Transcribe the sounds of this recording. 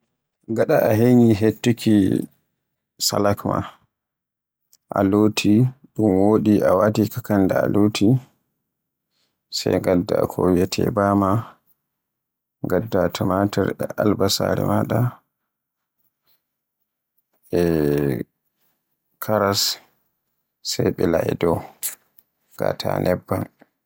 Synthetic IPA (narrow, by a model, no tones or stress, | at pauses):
ɡaɗaʔaɦeɲiɦetːukʰi | salakma̰ | ʔalotʰiɗumwoɗiawatikakandaa̰lotʰi | sajɡadːa̰kʰɔwjɛtʰɛ̰bama | ŋɡadːatʰɔmataɾɛʔalbasaɾɛ̰maɗa | ɛ | kʰaɾas | sajɓɛlaɛdɔ | ɡ̥atʰanʔɛbːan